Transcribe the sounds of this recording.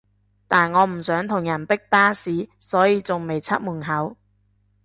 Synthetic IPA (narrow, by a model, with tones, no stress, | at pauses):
t̪aː˨nŋɔː˨˧m̩˨˩sœː˨˥ŋt̪ʰʊ˨˩ŋjɐ˨˩npɪ˥k̚paː˥siː˨˥sɔː˨˥jiː˨˧t͡sʊ˨ŋme˨jt͡sʰɐ̰˥t̚muː˨˩nɦɐ˨˥w